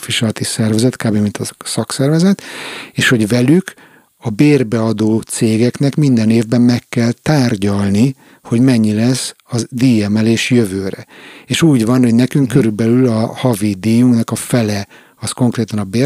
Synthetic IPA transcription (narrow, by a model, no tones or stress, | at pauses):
fiʃalt̪isɛrvɛzɛt̪kaːbeːmint̪ɒsɒksɛrvɛzɛt̪eːʃho̞ɟvɛlyk | ɒbeːrbɛɒd̪oːt̪seːɡɛknɛkmind̪ɛneːvbɛmːɛkːɛlt̪aːrɟɒlni | ho̞ɟmɛɲːilɛsɒd̪iːɛmɛleːʃjøvøːɾɛ̰eːʃuːɟvɒnho̞ɟnɛkyŋkkːø̞ɾylbɛlylɒhɒvid̪iːjuŋknɒkɒfɛlɛ | ɒsko̞ŋkreːt̪ɒnɒbeː